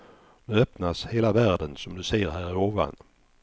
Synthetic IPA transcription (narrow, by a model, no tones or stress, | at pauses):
nɵœpnasheːlavæːɖənsɔmd̪ɵseːɾɦæːɾɪoːva̰n